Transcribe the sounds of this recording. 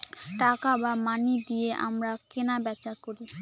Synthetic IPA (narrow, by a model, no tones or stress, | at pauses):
ʈakabamanid̪ijeʔa̰mɾakenabɛt͡ɕakoɾi